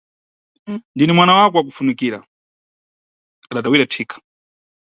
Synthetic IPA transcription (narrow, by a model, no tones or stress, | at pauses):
ndinimwanawakɔwak̬ufunikiːɾa̰ | aɗatawiɾatʰikʰḁ